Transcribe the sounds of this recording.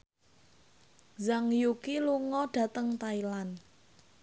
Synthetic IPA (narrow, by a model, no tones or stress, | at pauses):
zaŋjukiluŋɔɖ̥a̤t̪əŋt̪ailan